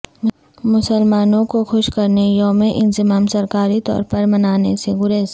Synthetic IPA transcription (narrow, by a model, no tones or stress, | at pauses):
mʊsəlmaːnõkoxʊʃkɐɾnejõmẽʔɪnzɪmaːmsɐɾkaːɾit̪ɔ̰ːɾpɐɾmɐnaːneseɡʊɾes